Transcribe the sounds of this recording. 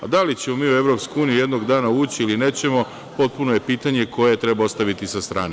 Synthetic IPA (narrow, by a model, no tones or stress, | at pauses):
a̰d̪alit͡ɕe̞momiːue̞ʋɾo̞ːpskouːnijuje̞d̪noɡd̪aːnauːt͡ɕiiline̞ːt͡ɕe̞mo̞ | po̞t̪̚puno̞je̞piːt̪aɲe̞ko̞jet̪ɾebaost̪aʋit̪isast̪ɾaːne